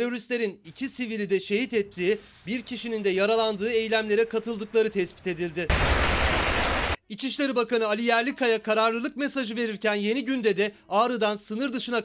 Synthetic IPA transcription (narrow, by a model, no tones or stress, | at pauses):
ɾo̞ɾist̪lʲe̞ɾinicʰisivilʲid̪ɛʃe̞ɦit̪ɛt̪ʰːiː | biɾcʰiʃinind̪ɛjaɾalˠand̪ɯːe̞jlʲæmlʲe̞ɾɛkʰat̪ʰɯlˠd̪ɯklˠaɾɯt̪ʰɛspi̥t̪e̞d̪ilʲd̪ɪ | it͡ʃʰiʃlʲe̞ɾibakanɯalʲijæɾlʲikʰajakʰaɾaɾlˠɯlˠɯk̚mesaʒɯve̞ɾiɾcænje̞niɟynd̪ɛd̪ɛ | aːɾɯd̪ansɯnɯɾd̪ɯʃɯna